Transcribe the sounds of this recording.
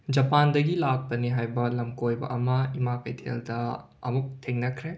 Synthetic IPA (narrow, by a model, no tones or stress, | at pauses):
d͡ʒɐpandɐɡilak̚pɐniɦajbɐlɐmkojbɐ̰ʔɐmɐimakɐjtʰḛldɐ̰ː | muk̚tʰeŋnɐkʰɾe